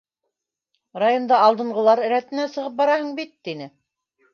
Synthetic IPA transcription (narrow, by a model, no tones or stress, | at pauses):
rajo̞nd̪ɑɑlˠd̪ɤ̆ɴɢɤ̆lˠɑɾ̆ɾæt̪ɘ̆næsɤ̆ʁɤp̚bɑɾɑhɤɴbit̪ːinɘ